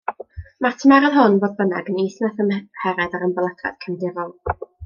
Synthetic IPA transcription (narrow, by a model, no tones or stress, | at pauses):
martʰəmaɾanɦʊnvoːðbənaɡəniːθnaθəmhɛɾɛðaɾəmbəlˠɛd̥ʰra̰d̥kʰəndɪɾɔlˠ